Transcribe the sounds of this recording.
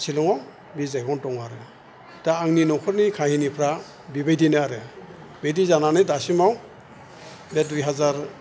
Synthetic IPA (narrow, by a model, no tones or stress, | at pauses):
sʰilɔŋɔ | bisajɡɔntɔŋaɾɯ | taaŋninɔkʰɔɾnikʰahinipʰɾa | bibajdinɯaɾɯ | bejdizananɯjdasimaw | bɛdujɦazaɾ